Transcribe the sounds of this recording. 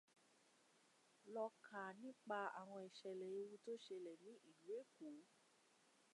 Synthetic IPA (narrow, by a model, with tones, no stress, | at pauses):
lɔ˧kʰa˨nĩ˦k͡pa˧a̰˨w̃ɔ̃˧ɛ˨ʃɛ˨lɛ˨i˧˦wu˦to˦ʃe˧lɛ˨nĩ˨˦ʔi˨lu˨e˦ku˨˦